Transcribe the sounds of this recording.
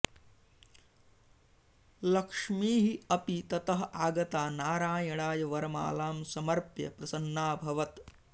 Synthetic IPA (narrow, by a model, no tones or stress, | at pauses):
lɐkʂmiːɦiɐpit̪ɐt̪ɐɦɐʔaːɡɐt̪aːnaːɾaːjɐɽaːjɐʋɐɾɐma̰ːlaːmsɐmɐɾpjɐ̰pɾɐsɐnːaːbʱɐʋɐt̪